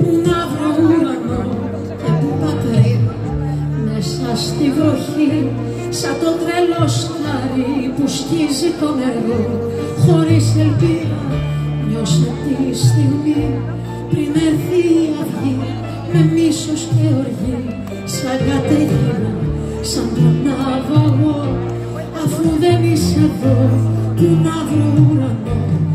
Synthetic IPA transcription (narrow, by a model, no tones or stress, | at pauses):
unɐvɾouɾɐno | cepumɐt̪ɾejɾɐ | mesɐst̪ivɾoçi | sɐt̪ot̪ɾelo̞sxaɾipuscizit̪o̞neɾɣo | xo̞ɾisepiɾɐ | ɲoset̪ist̪iɣmi | pɾineθiaθi | memisost̪eoɾɣi | saɣat̪eɣiɾa | sãmb̪ɾɐnaɣoɣo | afuðeniseðot̪unaðɾuɾa